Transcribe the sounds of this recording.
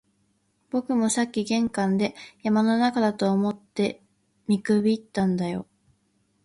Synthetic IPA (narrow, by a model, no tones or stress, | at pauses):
b̥o̞kɯ̟mo̞sakʲːiɡẽ̞ŋkãnd̪e̞jamano̞nakad̪at̪o̞ːmo̞t̪ːe̞ | mʲikɯ̟bʲiːt̪ːãnd̪ajo̞̰